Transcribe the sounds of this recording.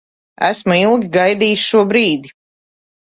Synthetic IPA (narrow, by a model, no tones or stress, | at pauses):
æ̰smuilˠɡʲiɡajd̪iːsʃuɔbɾiːd̪i